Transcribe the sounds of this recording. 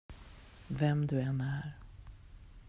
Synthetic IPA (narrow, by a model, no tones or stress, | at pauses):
vɛmd̪ɵɛnæɾ